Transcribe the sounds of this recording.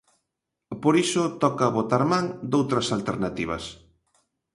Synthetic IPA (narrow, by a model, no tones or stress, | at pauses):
poɾisʊt̪ɔkaβot̪aɾmaŋd̪owt̪ɾɐsalt̪eɾnat̪iβ̞ɐ̰s